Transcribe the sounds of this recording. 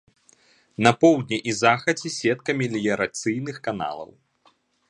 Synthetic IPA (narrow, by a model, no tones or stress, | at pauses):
nɐpɔwd̪̚ʲnʲɛʔizaxɐd͡zʲisʲɛt̪kɐmʲilʲijɐɾat̪sɨjnɨxkana̰lˠɐ̰w